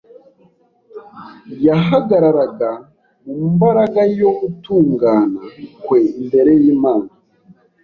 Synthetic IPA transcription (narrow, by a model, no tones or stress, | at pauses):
jaɦaɡaɾaɾaɡa | mumubaɾaɡajo̞ɡutuːŋɡaːnakweimbe̞ɾe̞jiːmaːna